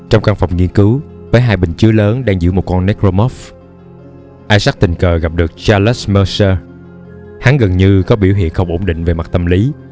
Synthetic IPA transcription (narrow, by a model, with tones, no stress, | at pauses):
t͡ɕɔ˧wŋ͡mka˧ŋfa˨˩wŋ͡mŋi˧ənkɨ˨˦wvəː˨˦jɦaː˧jɓï˨˩ŋ̟t͡ɕɨ˨˦ələː˨˦nɗaː˧ŋzɨ̰˧˩əmo˨˩t̚kɔ˧nːɛ˦˥k̚zo˧mɔ˦˥f | ʔaː˧jsa˦˥k̚t̪ï˨˩ŋ̟kəː˨˩ɣa˨˩p̚ɗɨ˨˩ək̚t͡ɕaː˧lɛ˦˥sməː˧səː˧ | ha˨˦ŋɣə˨˩nɲɨ˧kɔ˨˦ɓi˧˩əwɦḭ˧˨ənxə˧wŋ͡mʔo˧˩ŋ͡mɗḭ̈˧˨ŋ̟ve˨˩ma˨˩t̚t̪ə˧˩mli˨˦